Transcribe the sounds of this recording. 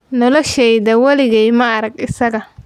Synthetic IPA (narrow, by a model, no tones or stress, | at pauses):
nɔlɔʃɛjðɐwɐlɪɣɛjmɐːɾɐɡɪsɐɣɐ